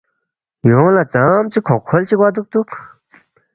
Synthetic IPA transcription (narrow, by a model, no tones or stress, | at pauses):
jɔŋlat͡samt͡ɕikʰokʰolt͡ɕik̚wad̪uk̚t̪uk̚